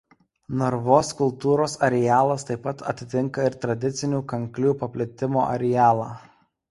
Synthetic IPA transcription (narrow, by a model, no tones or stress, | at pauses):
nɔɾʋoːskʊlˠt̪uːɾoːsɐɾʲɛjæːlˠɐst̪ɐɪpːɐt̪ʰɐ̰t̪ʲɪt̪ʲɪŋˑkɐɪɾt̪ɾɐd̪ʲɪt̪sʲɪnʲuːkɐŋklʲuːpɐpʲlʲɪt̪ʲɪmo̰ːʔɐ̰ɾʲɛjæːlˠɑː